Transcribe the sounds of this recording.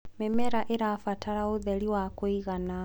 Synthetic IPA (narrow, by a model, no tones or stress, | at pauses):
memɛɾaʔeɾafataɾaoðɛɾiwakwiɣana